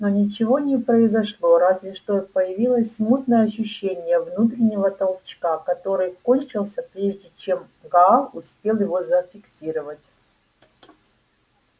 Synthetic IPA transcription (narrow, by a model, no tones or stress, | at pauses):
nonʲɪt͡ɕɪvo̞nʲɪpɾəɪzɐʂlˠo̞ɾazvʲɪʂt̪opəjɪvʲilˠəsʲmut̪nəjəɐɕːʉɕːenʲɪjəvnut̪̬ɾʲɪnʲːɪvət̪ɐlˠt͡ɕkakɐt̪o̞ɾɨjkonʲt͡ɕɪlˠsʲəpɾʲeʐdʲɪt͡ɕe̞m | ɡaaʊspʲe̞lˠjɪvo̞zəfʲɪksʲiɾəvətʲ